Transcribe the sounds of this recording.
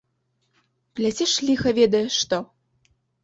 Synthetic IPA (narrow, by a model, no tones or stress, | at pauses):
plʲat͡sʲɛʂlʲixɐvʲɛd̪ɐjɛʂt̪ɔ